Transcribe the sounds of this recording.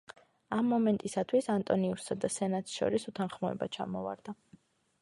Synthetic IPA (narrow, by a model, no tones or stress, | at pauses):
amːɔmɛnt̪ʼisat̪ʰwisant̪ʼɔniuɾsad̪asɛnat̪ʃɔ̰ɾisut̪ʰanχmɔɛ̰bat͡ʃʰa̰mɔva̰ɾd̪a